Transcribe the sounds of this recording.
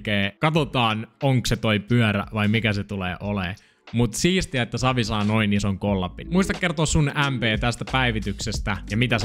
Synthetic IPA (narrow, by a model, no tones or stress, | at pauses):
keːkɑt̪ot̪ɑːnoŋkset̪oipyœɾæ̰ʋɑimikæset̪ulḛːʔoleː | mut̪siːst̪iɑet̪ːæsɑʋisɑːnoinːisoŋkolːɑpːinmuist̪ɑkkert̪oːssunʔæmpeːt̪æst̪æpæiʋit̪yksest̪æjɑmit̪æs